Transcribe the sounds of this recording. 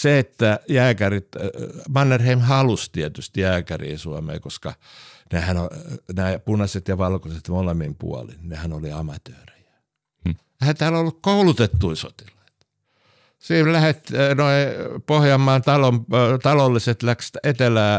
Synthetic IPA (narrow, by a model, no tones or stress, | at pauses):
seet̪ːæjæːkærit̪mɑnːerheimhɑlust̪iet̪yst̪ijæːkærḭːsuɑmḛːkoskɑ | nehænonæipunɑset̪jɑʋɑlkoset̪molemːimpṵɑ̰lḭnnehænoliɑmɑt̪øːrijæ̥ | ehænt̪æːlolːukkoulut̪et̪ːuiso̰t̪ilɑi̥t̪ | siːlæhet̪noipohjɑmːˑɑːnt̪ɑlomt̪ɑlolːiset̪lækst̪et̪elæː